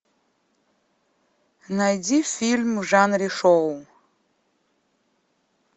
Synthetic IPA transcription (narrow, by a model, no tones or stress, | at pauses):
najdʲifilʲmuʐanriʂow